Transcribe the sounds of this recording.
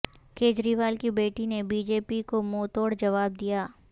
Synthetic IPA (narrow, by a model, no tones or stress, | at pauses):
keːd͡ʒɾiːʋaːlkibeːʈinebiːd͡ʒeːpikomoːt̪oːɽd͡ʒɐʋaːb̚d̪ijaː